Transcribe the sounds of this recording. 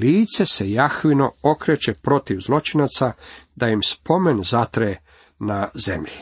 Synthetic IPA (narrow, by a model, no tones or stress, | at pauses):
liːt̪se̞se̞jaxʋino̞okɾet͡ʃepɾo̞t̪iʋzlˠo̞t͡ʃinat̪sad̪ajimspʰo̞me̞nzat̪ɾe | nazemʎi